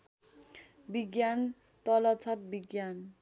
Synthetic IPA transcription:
biɡjan | t̪ʌlʌt͡sʰʌt̪̚biɡjan

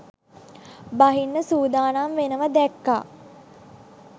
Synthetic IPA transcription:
baɦinːəsuːd̪aːnamʋenəʋəd̪ɛkːa̰ː

